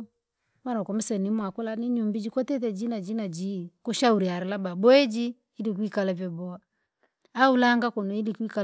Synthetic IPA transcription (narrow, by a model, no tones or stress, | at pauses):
manaukɔmɛsɛnimwakɔlaniɲumbid͡ʒikɔtɛtɛd͡ʒinad͡ʒinad͡ʒikɔʃauɾiaɾɛlababɔɛd͡ʒi | ilikwikalavjɔbɔa | aulaŋɡakɔnɔilikwika